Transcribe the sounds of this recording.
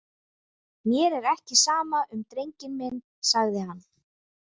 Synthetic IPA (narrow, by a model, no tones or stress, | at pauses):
mjɛɾɛɾɛhcɪsaːmaʔʏmt̪ɾejɲcɪnmɪnː | saɣðɪɦanː